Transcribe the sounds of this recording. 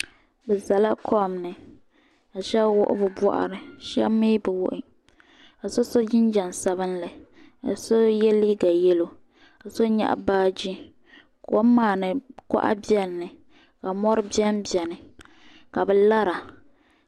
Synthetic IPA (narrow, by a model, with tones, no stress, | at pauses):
bɛ˨za˨la˦kʰɔ˦˨mnɨ˨ | a˨ʃɛ˦bwʊ̰˦ʔɪ̰˦bɨ˨bɔ̰˦˨ʔa̰˨ɾɨ˨ʃɛ̰˦bmi˦bɨ˨wʊ˦ʔɪ˦ | a˨so˦so˦d͡ʒɪ˦nd͡ʒa˨nsa˦bɨ˦nla˨ | a̰˨so˦jɛ˦li˦ɡa˨jɛ˦lo˦ | a˨so˦ɲɛ̰˦ʔbaː˦d͡ʒi˦ | ko˦maː˨nɨ˨kɔ̰˦ʔa̰˦bi˦ɛ˦nːɨ˨ | ka˨mɔ˦ɾɨ˦bi˦ɛ˦mbɛ˨nɨ˨ | ka˨bɛ˨la˦ɾa˨